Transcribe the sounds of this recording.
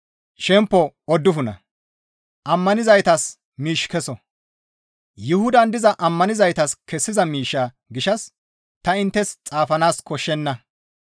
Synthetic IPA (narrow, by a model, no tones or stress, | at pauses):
ʃɛmpːɔɔd̪ːʊfʊnɐ̰ | ʔɐmːɐnɪzɐjt̪ɐs | miːʃkɛsɔ | jʊhʊd̪ɐnd̪ɪzɐʔɐmːɐnɪzɐjt̪ɐskɛsːɪzɐmiːʃːaː | ɡɪʃɐs | t̪ɐɪnt̪ːɛst͡sʼaːfɐnaːskɔʃːɛnːɐ